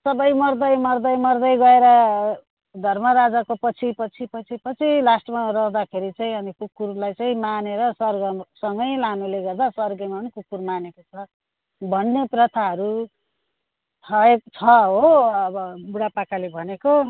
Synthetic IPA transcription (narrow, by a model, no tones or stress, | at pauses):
sʌbʌjmʌrd̪ʌjmʌrd̪ʌjmʌrd̪ʌjɡʌeɾʌ | d̪ʱʌrmʌɾad͡zakopʌt͡sʰipʌt͡sʰipʌt͡sʰipʌt͡sʰilasʈʌmarʌɦd̪akʰeɾit͡saĩʌnikukːurlajt͡saĩmaneɾʌsʌrɡʌsʌŋɡʌjlanuleɡʌrd̪aswʌrɡemanikukːurmanekot͡sʰʌ | bʱʌnːeprʌt̪ʰaɦʌɾu | ʌek̚t͡sʰʌɦoʌbʌbuɽapakalebʱʌneko